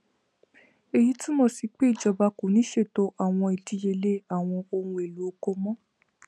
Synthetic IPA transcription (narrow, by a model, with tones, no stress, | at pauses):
e˨ji˦ti˦mõ˦˨si˨˧k͡pe˦i˦˨d͡ʒɔ˧ba˧ko˨˦nĩ˨˦ʃe˦˨to˧˦ʔa˦˨w̃ɔ̃˧i˨di˨˧˦je˧le˦a˨w̃ɔ̃˧o˧hũ˧e˨lu˨˦o˦ko˧mɔ̃˦